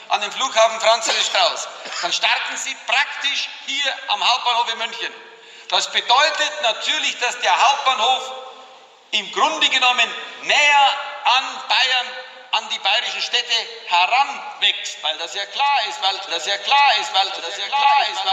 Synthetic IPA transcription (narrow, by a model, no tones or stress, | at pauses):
ʔandeːnfluːkhaːfn̩fʁant͡soːzɪskʁ̥aʊsd̥anʃtaʁtn̩ziːpʁ̥aktɪʃhiːɐʔamhaʊp̚b̥aːnhoːfəmʏnçən | d̥asb̥ədɔʏtətnatʰyːɐlɪçd̥asd̥eːɐɦaʊp̚t̚b̥aːnhoːf | ʔɪmɡʁʊndəɡənɔmənːɛːɐʔanb̥aɪɐn | ʔandiːbaɪʁɪʃn̩ʃtɛtəhɛʁanvɛkstvaɪldasjaːkl̥aːɐɪstvaɪldasjaːkʰlaːɪstvaɪldajaaɪs